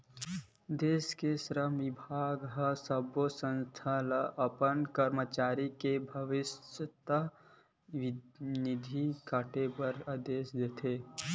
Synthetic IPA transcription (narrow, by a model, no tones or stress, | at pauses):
d̪eːskesɾəmibʱaːɡɦəsəbosə̃nst̪ʰaləʔɐpənkəɾmət͡ʃaːɾikebʱəʋɪsət̪ə | ʋnɪd̪ʱikaʈepəɾad̪eːsd̪eːt̪ʰe